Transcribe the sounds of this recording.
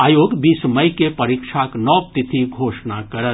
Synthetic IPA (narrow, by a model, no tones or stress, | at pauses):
aːjoːɡbiːsməjkepəɾikʃʰaknɔːp̚t̪it̪ʰiɡʱoːʃnakəɾə